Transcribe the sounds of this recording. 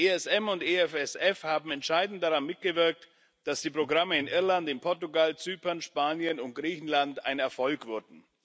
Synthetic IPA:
ʔeɛsɛmʊnteːɛfɛsɛfhaːbm̩ɛntʃaɪdn̩t̚daʁanmɪt̚ɡ̥əvɪɐk̚t | d̥asd̥iːpʁ̥oɡʁaməɪnʔɪɐlantɪnpʰɔɐtuɡalt͡syːpɐnʃpaːnjənʊnt̚ɡ̥ʁiːçn̩lanta̰ɪnɛɐfɔlkv̥ʏɐdn̩

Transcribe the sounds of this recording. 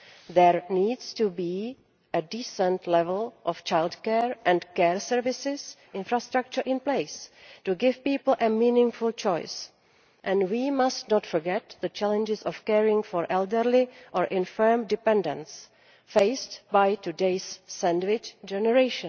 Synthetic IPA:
ðɛɹniːdstubi | ʔɛdiːsə̃ntlɛvɛlʔɔft͡ʃajldkɛɹʔɛ̃ntkɛɹsəɹvɪsɪsʔɪ̃nfɹast̪ɾak̚t͡ʃəɹʔɪ̃npleɪstuɡɪvpiːpl̩ʔɛmiːnɪ̃ŋfult͡ʃɔjs | ʔɛ̃ndwimastnɔtfɔɹɡɛt̪ðət͡ʃɛlɛ̃nd͡ʒɪsɔfkɛɹɪ̃ŋfɔɹʔɛldəɾlɪʔɔɹʔɪ̃nfəɹmdɪpɛ̃ndə̰̃ns | feɪstbajtudeɪsːɛ̃ndwɪt͡ʃd͡ʒɛnɛɹeɪʃə̃n

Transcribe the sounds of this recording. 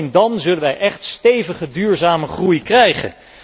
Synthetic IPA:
ndɑnzɵlənʋɛjʔɛχtstejvəχədyːɹzaːməχrujkrɛjχə̰n

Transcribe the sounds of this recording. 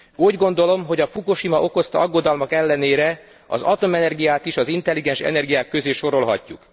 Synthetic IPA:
uːɟɡo̞nd̪o̞lo̞mɦo̞ɟɒfukuʃimɒʔo̞ko̞st̪ɒɒɡːo̞d̪ɒlmɒkɛlːɛneːɾɛ | ɒ̰zɒt̪o̞mɛnɛrɡijaːt̪iʃɒzint̪ɛlːiɡɛnʃɛ̰nɛrɡijaːkːø̞zeːʃo̞ɾo̞lɦɒ̰cːuk

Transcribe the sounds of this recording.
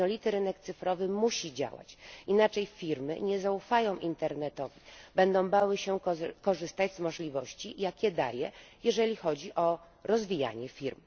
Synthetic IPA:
d̪nɔlʲit̪ɘɾɘnɛkt̪sɘfɾɔvɘmuɕid͡ʑa̰wa̰t͡ɕinat͡ʂɛjfʲiɾmɘ̰ɲɛzaufajɔ̃w̃ʔint̪ɛɾnɛt̪ɔvʲibɛnd̪ɔ̃w̃bawɘɕɛkɔʐɘst̪ad͡ʑzmɔʐlʲivɔɕt͡ɕijakʲɛd̪a̰jɛjɛʐɛlʲixɔd͡ʑiʔɔ | ɾɔzvʲija̰ɲɛfʲiɾm

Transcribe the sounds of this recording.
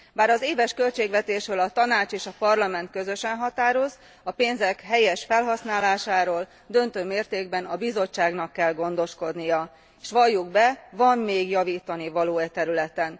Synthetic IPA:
baːɾɒzeːvɛʃkø̞lt͡ʃeːɡʋɛt̪eːʃrøːlɒt̪ɒnaːt͡ʃeːʃɒpɒrlɒmɛnt̪̚kø̞zø̞ʃɛnɦɒt̪aːɾo̞z | ɒpeːnzɛkɦɛjɛʃfɛlɦɒsnaːlaːʃaːɾoːl | d̪ø̞nt̪øːmeːrt̪eːɡbɛnɒbizo̞t͡ʃːaːɡnɒkːɛlɡo̞nd̪o̞ʃko̞d̪nijɒ | eʃʋɒjːuɡ̚bɛvɒmːeːɡjɒviːt̪ːɒnivɒloːɛt̪ɛɾylɛt̪ɛn

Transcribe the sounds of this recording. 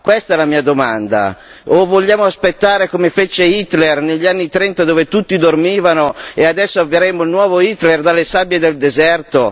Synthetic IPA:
kwɛst̪aɛlamiːad̪omand̪a̰ | ovoʎːaːmoaspet̪ːaːɾekomefet͡ʃeit̪lerneʎːianːit̪ɾɛnt̪ad̪oːvet̪ut̪ːid̪ormiːvanoead̪ɛsːoavːeɾemoilnwɔːvoit̪lerd̪alːesabjed̪eld̪ezɛrt̪o

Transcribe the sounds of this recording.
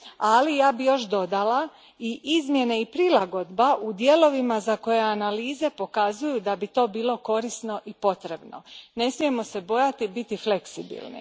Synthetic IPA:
alijaːbijo̞ʃd̪o̞d̪ala | iʔizmje̞neipɾilˠaɡo̞d̪baʔud̪je̞lo̞ʋimazako̞je̞analiːze̞po̞kazujud̪abit̪o̞ːbiːlˠo̞ko̞ɾisno̞ʔipo̞t̪ɾe̞bno̞̰ne̞smije̞mo̞se̞bo̞jat̪ibit̪ifle̞ksibḭlˠnḭ

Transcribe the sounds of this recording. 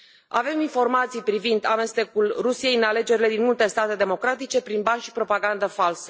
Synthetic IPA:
a̰ve̞minfo̞rmat̪sijpɾivind̪ame̞st̪e̞kulrusije̞jɨnale̞d͡ʒe̞ɾile̞d̪inmult̪e̞st̪at̪e̞d̪e̞mo̞kɾat̪it͡ʃe̞pɾinbanʃi̥pɾo̞paɡand̪əfalsə

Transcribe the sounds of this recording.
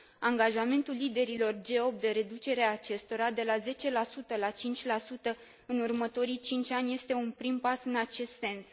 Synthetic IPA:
aŋɡaʒame̞nt̪ulːid̪e̞ɾilo̞rd͡ʒe̞o̞p̚t̪d̪e̞ɾe̞d̪ut͡ʃe̞ɾeaːt͡ʃe̞st̪o̞ɾad̪e̞laze̞t͡ʃe̞lasut̪əlat͡ʃint͡ʃʲlasut̪ə | ɨnurmət̪o̞ɾit͡ʃint͡ʃʲanʲje̞st̪e̞unpɾimpasɨnat͡ʃe̞st̪se̞ns

